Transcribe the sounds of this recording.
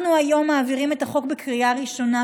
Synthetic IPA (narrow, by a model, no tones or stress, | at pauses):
nuajo̞mːaːviʁime̞taχo̞kbekʁijaʁiʃo̞na